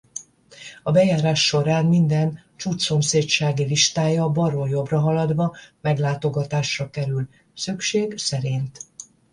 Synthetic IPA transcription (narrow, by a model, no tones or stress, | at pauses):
ɒbɛjaːɾaːʃːo̞ɾaːnmind̪ɛn | t͡ʃuːt͡ʃso̞mseːtt͡ʃaːɡiliʃt̪aːjɒbɒɾojo̞brɒɦɒlɒd̪ʋɒmɛɡlaːt̪o̞ɡɒt̪aːʃrɒkɛɾyl | sykʃeːɡsɛɾint̪